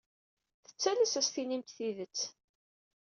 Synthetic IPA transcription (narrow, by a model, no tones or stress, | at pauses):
θə̥t͡sːælæsæsθinimt̪θiðət͡sː